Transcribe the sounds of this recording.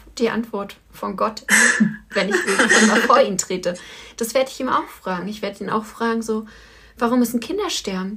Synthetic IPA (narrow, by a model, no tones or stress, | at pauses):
d̥iːʔa̰ntv̥ɔɐt | fɔnɡɔt | vɛnɪçv̥ɪːkɪç̥anmafoːɐiːmtʁ̥eːtəd̥asv̥eːɐdəɪçiːma̰ʊxfʁ̥aːɡŋ̩ɪçv̥eːɐdəiːna̰ʊxfʁ̥aːɡŋ̩zoː | vaʁʊmːʏsn̩kʰɪndɐʃtɛɐbm̩